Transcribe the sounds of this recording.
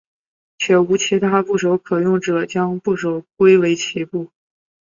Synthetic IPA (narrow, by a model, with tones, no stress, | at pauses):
t͡ɕʰɥɛ˧˥˩u˧˥t͡ɕʰi˧˥t̪ʰa˥pu˥˩ʂo˧˥ʊkʰɤ˨˩jʊ˥˩ŋʈ͡ʂɤ˨˩t͡ɕjɑ˥ŋpu˥˩ʂo˧˥ʊkwe˥ɪwe˧˥ɪt͡ɕʰi˧˥pu˥˩